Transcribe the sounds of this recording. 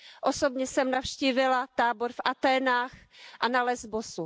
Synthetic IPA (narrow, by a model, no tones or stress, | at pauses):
ʔosobɲɛsɛmnafʃciːvɪlat̪aːboɾfʔat̪ɛːnaːxʔanalɛzbosu